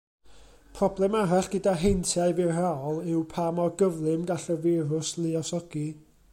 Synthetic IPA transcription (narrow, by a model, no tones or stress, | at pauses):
pʰrɔblˠɛmaɾaɬɡ̥ədaɦejntʰjaɨvɪrrawɔlˠɪwpʰamɔɡəvlˠɨmɡaɬəvɪɾʊslˠɪɔsɔɡ̥i